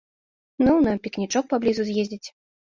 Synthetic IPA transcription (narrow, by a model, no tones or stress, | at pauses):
nunapʲiknʲit͡ʂɔk̚pablʲizuzʲjezʲdd͡zʲit͡sʲ